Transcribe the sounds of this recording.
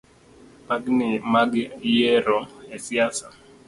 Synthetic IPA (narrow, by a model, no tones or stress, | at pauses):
paɡnɪmaɡjeɾɔesiasa